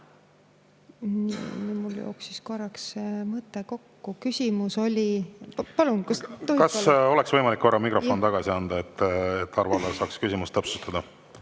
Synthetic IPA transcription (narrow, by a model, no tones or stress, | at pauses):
nḭnimuljo̰ːksisko̞rːɑksmɤt̪ːˑeko̞kːukysʲimuso̞lʲipɑlunkusohkɑso̞lɛksv̥ɤjmɑlikːo̞rːɑmikroo̞nt̪ɑɡ̥ɑsiɑnd̪̥ɑet̪ːet̪ːɑɾvɑlːɑsɑːkskysʲimust̪ɤpsu̥st̪ɑd̪̥ɑ